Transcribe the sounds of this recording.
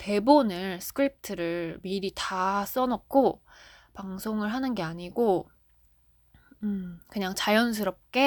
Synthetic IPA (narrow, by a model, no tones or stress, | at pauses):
te̞bonɯɭsʰɯ̥kʰɯɾip̚tʰɯɾɯɭmiɾitas͈ʌnʌk̚kʰo | paŋsʰoŋɯɭɦanɯnɡe̞aɲiɡo | ɯkɯɲaŋt͡ɕajʌns̬ʰɯɾʌp̚k͈e̞